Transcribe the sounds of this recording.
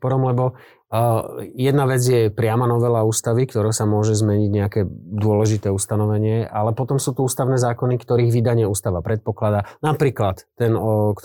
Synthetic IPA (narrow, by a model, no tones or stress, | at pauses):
pɔɾɔmlɛbɔ | jɛd̪naʋɛd͡zjɛpɾɪamanɔʋɛlauːst̪aʋikt̪ɔɾɛsamʊɔʒɛzmɛɲiɟɲɛakɛːd̪ʊɔlɛʒit̪ɛːust̪anɔʋɛɲɪɛʔalɛpɔt̪ɔmsuːt̪uuːst̪aʊnɛːzaːkɔnikt̪ɔɾiːɣʋid̪aɲɪɛuːst̪aʋapɾɛt̪̚pɔklad̪anapɾiːklat̪ːɛnk